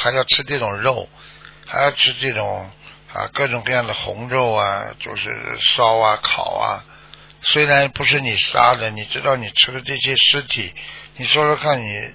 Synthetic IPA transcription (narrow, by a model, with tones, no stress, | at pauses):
xa˧˥ɪjɑ˥˩ʊʈ͡ʂʰɻ̩˥ʈ͡ʂɤ˥˩ʈ͡ʂʊ˨˩ŋɻo˥˩˧ʊ | xa˧˥ɪjɑ˥˩˧ʊʈ͡ʂʰɻ̩˥ʈ͡ʂɤ˥˩ʈ͡ʂʊ˨˩˦ŋ | ə̰˧˩kɤ˥˩ʈ͡ʂʊ˨˩ŋkɤ˥˧jɑ˥˩ŋd̪ə˩xʊ̰˧˥ŋɻo˥˩ʊɐ̰˧t͡ɕjo˥˧ʊʂɻ̩̰˥˩ʂɑ˥ʊɐ˧kʰɑ˨˩˦ʊɐ̰˦ | swe˥ɪɻa˧˥npu˧˥ʂɻ̩˥˩ni˨˩ʂa̰˥d̪ə˨ni˨˩ʈ͡ʂɻ̩˥t̪ɑ˥˩ʊni˨˩ʈ͡ʂʰɻ̩˥d̪ə˨ʈ͡ʂɤ˥˩ɕjɛ˥ʂɻ̩˥t̪ʰi˨˩˦ni˨˩ʂo˥lə˧kʰa˥˩nni˨˩